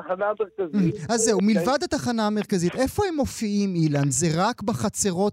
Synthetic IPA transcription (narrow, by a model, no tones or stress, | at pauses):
χanameʁkaziazːeumilvadhat̪aχanaːme̞ʁkazit̪e̞fo̞he̞mo̞fiimilanzeʁakbaχat͡seʁo̞t